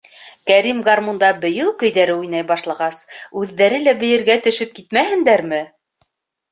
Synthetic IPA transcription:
kæɾimɡɑrmund̪ɑbɘ̆jɘwkɵ̆jðæɾɘujnɑjbɑʃlˠɑʁɑsʉðːæɾɘlæbɘ̆jɘ̆ɾɡæt̪ɵ̆ʃɘp̚kit̪mæhɘ̆nd̪æɾmɘ

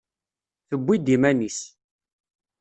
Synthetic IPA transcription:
θəbʷːid̪imænis

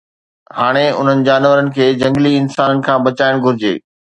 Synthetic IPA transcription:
haːɽ̃eʊ̰n̤ənɪ̆d͡ʑaːnʋəɾənɪ̆kʰeːd͡ʑɐ̃ŋɡliɪnsaːnənɪ̆kʰãːbɐt͡ɕaːɪɽ̃ɡʱʊɾɪd͡ʑḛː

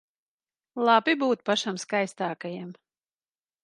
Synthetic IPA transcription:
lˠabibuːt̪̚paʃamskajst̪aːkajam

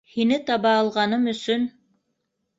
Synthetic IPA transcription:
hinɘt̪ɑβɑːlˠʁɑnɤmɵ̆sɵn

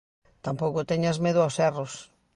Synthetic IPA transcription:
t̪ampowkʊt̪eɲɐzmeðʊaosɛros

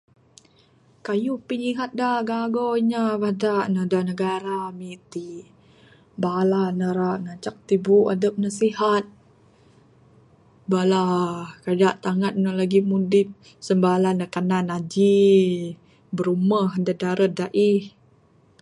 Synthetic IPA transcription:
kajupiliɦat̪̚daɡaɡoiɲaβahdaʔnədanəɡaɾamit̪i | balanəɾaʔŋat͡ʃak̚t̪ibuʔa̰dəp̚nasihat̪̚ | balakadaʔt̪aŋat̪̚nəlaɡimundɪp̚ | səmbalanəkananad͡ʒi | bəɾuməhdadaɾədaʔih

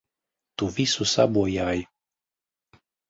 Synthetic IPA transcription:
t̪uvisusa̰bwojaj

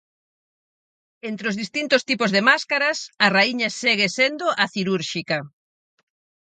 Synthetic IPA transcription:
ent̪ɾeozðist̪int̪ost̪ipozðemaskaɾɐsɐraiɲɐseɣesend̪oʔaθiɾuɾʃikɐ

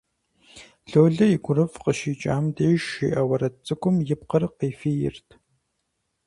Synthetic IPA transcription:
ɬoːɮɐiɡʷʊɾɨfqəʃiːt͡ʃʼaːmdeːʃḭːʔɐwɐɾɐt͡sʼɨkʷʊmjɪp̚qəɾɨqeːfiːjɪ̰rtʰ

